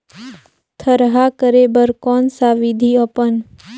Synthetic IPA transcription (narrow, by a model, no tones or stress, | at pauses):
t̪ʰəɾɦakəɾebəɾkɔːnsaʋid̪ʱiəpən